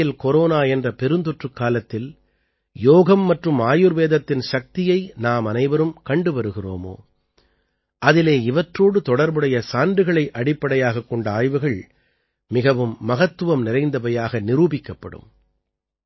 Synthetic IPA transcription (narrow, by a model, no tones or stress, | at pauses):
ɪlkɔɾoːnaːɛndrɐpɛɾɯnd̪ɔʈrɯkːaːlɐt̪ːɪl | joːɣɐmːɐʈrɯmaːjɯɾʋeːðɐt̪ːɪnʃɐk̚t̪ɪjɐɪnaːmɐnɐɪʋɐɾɯmkɐɳɖɯʋɐɾɯɣɪro̰ːmo̰ː | ʔɐðɪleːɪʋɐʈroːɽɯt̪ɔɽɐɾbɯɽɐjɐsaːnɖɯɣɐɭɐɪʔɐɽɪpːɐɽɐjaːɣɐkːɔɳɖaːjʋɯɣɐɭ | mɪɣɐʋɯmːɐɣɐt̪ːɯʋɐmnɪɾɐɪnd̪ɐbɐjaːɣɐnɪɾuːbɪkːɐpːɐ̰ɽɯ̰m